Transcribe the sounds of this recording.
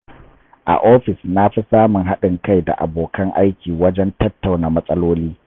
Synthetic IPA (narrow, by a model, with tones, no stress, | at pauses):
ʔa̰˨ʔoː˦ɸɪ˨sna˦ɸi˦saː˦mʊ˨ŋɦa˦ɗɪ˨ŋka˦jda̰˨ʔa̰˨boː˨kɐ˦ŋʔa˦jkʲiː˨wɐ˦d͡ʒɛ˦ntɐ˦tːa˨wnaː˨mɐ˦sʼɐ˦loː˦liː˦